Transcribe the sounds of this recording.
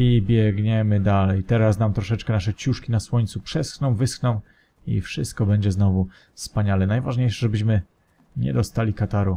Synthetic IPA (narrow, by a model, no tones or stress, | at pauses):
ibʲjɛɡɲɛmɘd̪alɛjt̪ɛɾasnamt̪ɾɔʂɛt͡ʂkɛnaʂɛt͡ɕuʂkʲinaswɔɲt̪supʂɛsxnɔ̃w̃vɘsxnɔ̃w̃ | ḭfʂɘst̪̚kɔbɛɲd͡ʑɛznɔvu | fspaɲalɛnajvaʐɲejʂɛʐɛbɘɕ̬mɘ | ɲɛ̰d̪ɔst̪alʲikat̪aɾu